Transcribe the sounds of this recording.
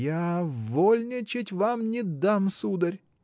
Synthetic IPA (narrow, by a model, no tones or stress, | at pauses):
javolʲnʲɪt͡ɕɪtʲvamnʲɪd̪amsud̪əɾʲ